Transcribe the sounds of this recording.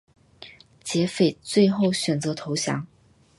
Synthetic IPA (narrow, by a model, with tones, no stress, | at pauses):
t͡ɕjɛ˧˥fe˨˩ɪt͡swe˥˧ɪxo˥˩ʊɕɥɛ˨˩nt͡sɤ˧˥t̪ʰo˧˥ʊɕjɑ̰˧˥˦ŋ